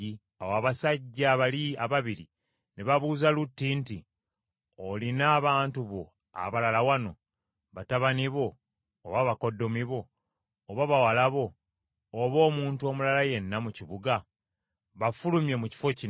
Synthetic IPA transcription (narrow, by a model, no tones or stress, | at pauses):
i | awaːβasaɟːaːβaliaβaβiɾi | neβaβuːzalutːinti | olinaːβaːntuβo̞ | a̰βalalawano̞ | βataβaniβo̞ː | βaβako̞dːo̞miβo̞ː | βaβawalaβo̞ː | βo̞ːmuːnto̞mulalaje̞nːamuciβuɡa | βafulumje̞muci̥fo̞ci